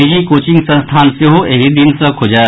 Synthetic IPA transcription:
id͡ʒikoːt͡ʃɪ̃ŋɡsə̃nst̪ʰaːnseɦoʔeɦid̪insɐ̃kʰod͡ʒaː

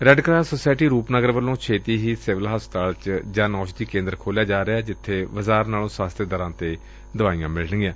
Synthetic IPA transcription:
ɾɛɖkɾaːsoːsaːɪʈiːɾuːpnəɡəɾʋəlːõːt͡ʃʰeːt̪iːɦiːsɪʋəlɦaːst̪aːlt͡ʃd͡ʒãːnɔ̃ːʃd̪iːkẽːnd̪əɾkʰoːljaːd͡ʒaːɾɪaːd͡ʒɪt̪ʰːeːʋəzaːɾnaːlõːsaːst̪ed̪əɾãːt̪eː | d̪əʋaːijãːmɪlnəɡjãː

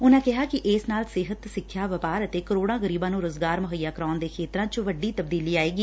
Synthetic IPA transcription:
ʊnãːkɪɦaːkɪʔɪːsnaːlsɪɦət̪sɪkʰːjaːʋəpaːɾət̪eːkəɾoːɽãːɣəɾiːbãːnũːɾoːzɡaːɾmʊɦəjːaːkəɾaːʊnd̪eːkʰeːt̪ɾãːt͡ʃʋəɖiːt̪əb̚d̪iːliːaːeːɡiː

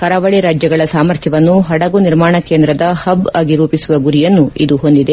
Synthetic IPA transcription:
kɐɾɐʋɐɭiɾaːd͡ʒjɐɡɐɭɐsaːmɐɾt̪ʰjɐʋɐnːuɦɐɽɐɡuniɾmaːɳɐkeːnd̪ɾɐd̪ɐhɐbɐːɡiɾuːpisuʋɐɡuɾijɐnːuʔid̪uɦo̞nd̪id̪e

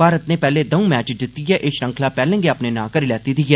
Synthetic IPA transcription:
aːɾət̪neːpɛːleːd̪əũːmɛːt͡ʃd̪ɪt̪ːijɛːʔɪʃɾə̃ŋkʰlaːpɛːlə̃ŋɡeːəpneːnãːkəɾilɛːt̪id̪iɛː

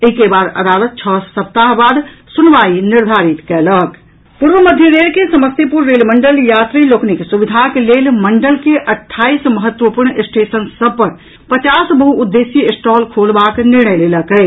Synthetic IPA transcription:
eikebaːd̪ə̰d̪aːlət̪̚t͡ʃʰəsəp̚t̪aɦbaːd̪sʊnʋaːinɪɾd̪ʱaːɾit̪kɛlək | puɾʋəməd̪ʱjəɾeːlkesəməst̪ipuɾːeːlməɳɖəljaːt̪ɾiloːkniksubɪd̪ʱakeleːlməɳɖəlkeʔɐʈʰːaːisməɦət̪wəpuɾɳɪsʈeːsənsəb̚pəɾ | pət͡ʃaːsbəɦuːd̪ːeːsiɪsʈɔːlkʰoːlbaːknɪɾɳ̃əjleləkəɪ

